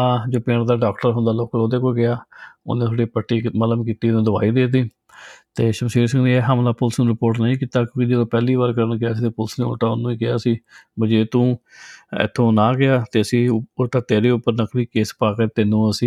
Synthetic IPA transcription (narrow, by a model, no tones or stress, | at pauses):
ãːd͡ʒoːpẽːɳd̪aːɖaːkʈəɾɦʊ̃nd̪aːloːkloːd̪eːkoːɡɪaːo̰nẽːtʰoɖeːpəʈːiːmələmkit̪iːnũːd̪ʊʋaːiːd̪eːt̪̬iː | t̪eːʃəmsiːɾsɪ̃ŋɡd̪iːɛːɦamlaːpʊlsnũːɾɪpoːɾʈnəĩːkiːt̪aːkjõːkɪd͡ʒɪd̪oːpɛːliːʋaːɾkəɾənkɪjaːsiːt̪eːpʊlsnẽːo̰ːʈaːʊnːũːiːkɪja̰ːsiːbəd͡ʒeːt̪ũː | ɪ̰t̪ʰːõːnãːɡɪaːt̪eːəsĩːʊt̪aːt̪eːɾeːʊpːəɾnəkliːkeːspaːkəɾt̪ɪnːũːəsĩː